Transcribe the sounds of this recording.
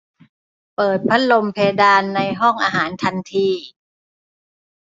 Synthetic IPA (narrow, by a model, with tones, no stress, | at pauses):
pɤː˨˩t̪̚pʰa˦˥t̪̚lo˧mpʰeː˧daː˧nːa˧jɦɔ˥˩ŋʔaː˧ɦaː˩˦nt̪ʰa˧nt̪ʰiː˧